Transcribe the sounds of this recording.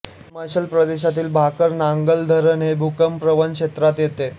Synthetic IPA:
məɕəlpɾəd̪eɕ̬at̪iːlbʱakəɾnaŋɡəld̪ʱəɾənebʱukəmpɾəʋənkʂet̪ɾat̪jet̪e

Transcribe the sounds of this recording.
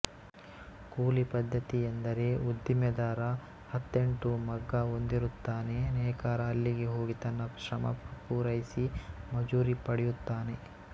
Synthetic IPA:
kuːlipɐd̪ʱːɐt̪ijend̪ɐɾe̞ud̪ːimjɐd̪aːɾɐ | hɐt̪ːe̞ɳʈumɐɡːɐond̪iɾut̪ːaːne̞nɛːkaːɾɐːlːiɡe̞ɦo̞ːɡit̪ɐnːɐʃɾɐmɐ̰puːɾɐjisimɐd͡ʒuːɾipɐɽɛjut̪ːaːne̞

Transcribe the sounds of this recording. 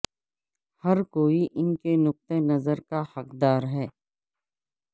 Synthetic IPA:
hɐɾkoːiʔɪnkenʊk̚t̪enɐzəɾkahɐqd̪aːɾɦɛː

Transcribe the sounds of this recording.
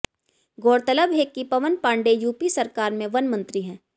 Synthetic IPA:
ɡoːɽt̪ələbɦeːkːipɐʋənpãːɳɖejuːpisɐɾkaːɾmẽʋɐnmɐ̃nt̪ɾiɦɛ̃ː

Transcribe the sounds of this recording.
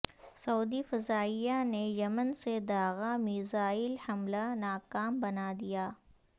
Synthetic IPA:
sɐuːd̪ifɐzaːɪjanejɐmənsed̪aːɣamiːzaːɪlhɐmlanaːkaːmbɐnad̪ijaː

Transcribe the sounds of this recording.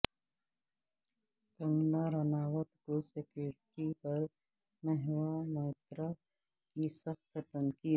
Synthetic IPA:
kɐ̃ŋɡlaɾɐnaːwət̪kosekjoːɾʈipɐɾ | mɛɦwamɐɪt̪ɾa | kisɐxt̪t̪ənkiː

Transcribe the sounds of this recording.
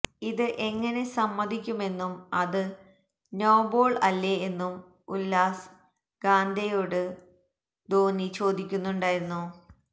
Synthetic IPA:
iðɨʔe̞ŋːɐne̞sɐmːɐd̪ʱikʲːume̞nːumɐðɨ | no̞ːbo̞ːɭɐ̰lːeenːum | ulːaːs | ɡ̥aːnd̪ʱɐjoːɽɨ | d̪o̞ːnit͡ɕo̞ːd̪ikʲːunːuɳɖaːjiɾunːu

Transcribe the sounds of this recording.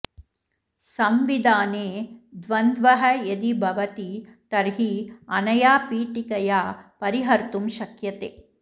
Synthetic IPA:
sɐmʋid̪aːneːd̪ʋɐnd̪ʋɐɦɐjɐd̪ibʱɐʋɐt̪it̪ɐɾɦiɐnɐjaːpiːʈikɐjaːpɐɾiɦɐɾt̪umʃɐkjɐt̪eː

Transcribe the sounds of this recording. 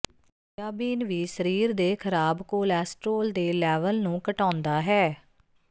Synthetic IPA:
jaːbiːnʋiːsəɾiːɾd̪eːkʰəɾaːbkoːlɛːsʈɾoːld̪eːlɛːʋəlnũːkəʈãːnd̪aːɦɛː

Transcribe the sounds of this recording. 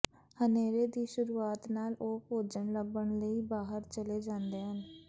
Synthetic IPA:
həneːɾeːd̪iːʃʊɾuːaːt̪naːloːpoːd͡ʒəɳləbːəɳləiːbaːɦəɾt͡ʃəleːd͡ʒãːnd̪eːɦən

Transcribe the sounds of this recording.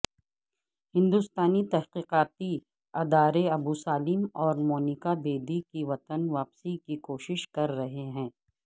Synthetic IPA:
hɪ̃nd̪ʊst̪aːnit̪ɐɦqiːqaːt̪i | ɐd̪aːɾeɐbuːsaːlɪmɔːɾmoːnɪkabeːd̪ikiʋɐt̪ənʋaːpsikikoːʃɪʃkɐɾːɐɦeɦɛ̃ː

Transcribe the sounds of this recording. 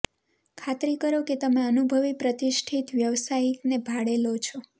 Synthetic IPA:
kʰat̪ɾikəɾoket̪əmeənubʱəʋipɾət̪iʃʈʰit̪ʋjəʋsajinebʱaɽelot͡ʃʰɔ

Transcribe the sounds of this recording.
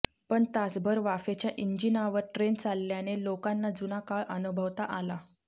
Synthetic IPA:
pəɳt̪asbʱəɾʋafet͡ɕjaʔiɲd͡ʑinaʋəɾʈɾent͡salːjanelokanːad͡zunakaɭʔənubʱəʋt̪aʔala

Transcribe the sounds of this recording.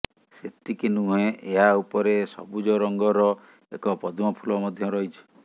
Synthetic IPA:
set̪ikinũɦẽʔeɦaupɔɾesɔ̰bud͡ʒɔɾɔŋɡɔɾɔ | ekɔpɔd̪ʱumɔpʰulɔmɔd̪ʱjɔɾɔɦit͡ʃʰi̥

